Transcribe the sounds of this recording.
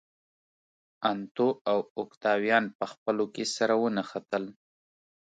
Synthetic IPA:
ant̪oawʊkt̪ɑwjɑnpəxpəlokesaɾawənaxat̪əl

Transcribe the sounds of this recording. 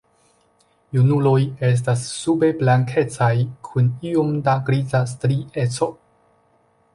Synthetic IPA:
junuloje̞s̬tasːube̞blaŋkʰe̞t͡sajkʰuniomdaɡɾizastɾiʔe̞t͡so̞

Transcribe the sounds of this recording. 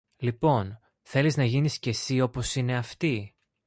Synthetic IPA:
lipo̞n | θe̞liznɐʝinisce̞sio̞po̞sine̞ɐft̪i

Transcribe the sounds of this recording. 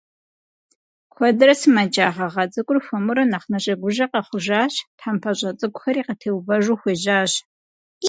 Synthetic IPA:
kʷɔdɨrɐsɨmɐt͡ʃʼaːʁɐʁɐt͡sʼɨkʷʼʊrfʷɐmʊɾɐnaχnɐɕʼɐɡʷʊʒɐqʼɐχʷʊʒaːɕtħampʰɐɕʷʼɐt͡sʼɨkʷʊxɐɾiːqətʰeːwbɐʒuxʷeːʒaːɕ

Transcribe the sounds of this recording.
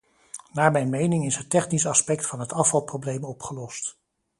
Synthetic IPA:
naːɹmɛjnmejnɪŋɪsɦətɛχnisɑspɛk̚tfɑnɦətɑfɑlˠprowblejmɔpχəlɔst

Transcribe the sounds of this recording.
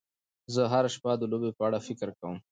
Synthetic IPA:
zəɦaɾaʃpad̪əlobepəaɽafɪkɾkawəm

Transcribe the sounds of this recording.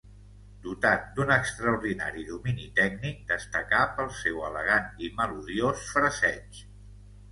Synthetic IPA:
d̪ut̪at̪̚d̪unəkst̪ɾəuɾðina̰ɾiðuminit̪ɛk̚nik̚d̪əst̪əkapəlˠsewələ̰ɣ̞animəluðiosfɾəsɛt͡ʃ

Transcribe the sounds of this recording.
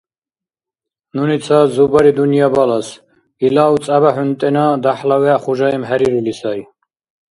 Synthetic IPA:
nunit̪sʰazubaɾid̪unijabalas | ilaw̪t͡s̪ʼaβaħunt̪ʼɛnad̪aħlawɛaχuʒaɛmɦɛɾiɾulisai

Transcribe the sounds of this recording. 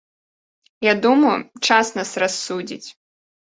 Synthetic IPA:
jad̪umɐjṵt͡ʂasnɐsrasːud͡zʲḭt͡sʲ

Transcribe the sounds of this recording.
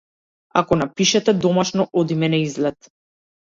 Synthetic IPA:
akɔnapiʃɛt̪ɛd̪ɔmaʃnɔʔɔd̪imɛnɛizlɛt̪

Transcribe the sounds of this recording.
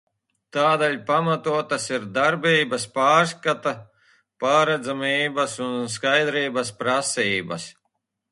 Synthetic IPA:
t̪aːd̪ɛʎʲpamat̪uɔt̪asiɾd̪aɾbiːbɐspaːɾskat̪a | paːɾad̪zamiːbɐsunskajd̪ɾiːbɐspɾasiːbɐ̰s

